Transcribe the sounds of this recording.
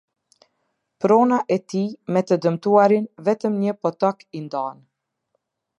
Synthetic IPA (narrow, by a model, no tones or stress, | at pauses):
pɾɔnaʔɛt̪imɛt̪əd̪əmt̪uaɾinvɛt̪əmɲəpɔt̪ɔkind̪an